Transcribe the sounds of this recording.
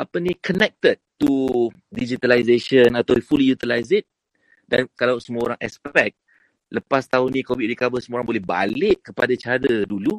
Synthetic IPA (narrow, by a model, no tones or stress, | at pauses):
ʔapənikənɛk̚t̪əd̚t̪u | did͡ʒit̪alajzeʃənat̪awfulijut̪ilajzit̪̚ | dankalawsəmuaoɾaŋʔɛ̰spɛk̚ | ləpast̪aʊnĩkowid̚ɹikabəsəmuoɾaŋbolɛhba̰lɪʔkəpadat͡ʃaɾədulu